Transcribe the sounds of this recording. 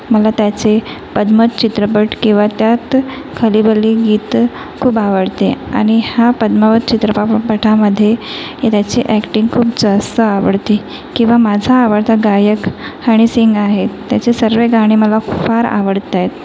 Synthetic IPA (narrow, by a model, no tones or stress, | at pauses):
məlat̪jat͡se | pəd̪mət̪̚t͡ɕit̪ɾəpəʈkĩw̃ʋat̪jat̪ | kʰəlibəliɡiːt̪ | kʰuːbaʋəɽt̪ea̰ɽ̃ihapəd̪məʋət̪̚t͡ɕit̪ɾəpapəʈʰaməd̪ʱːjejet̪jat͡siʔækʈiŋɡkʰuːpd͡zast̪əaʋəɽt̪i | kĩw̃ʋamad͡zʱaːʋəɽt̪aɡajəkhaɽ̃isiŋɡaɦeːjat͡sesəɾʋeɡʱaɽ̃iməlafaɾa̰ʋəɽt̪ajt̪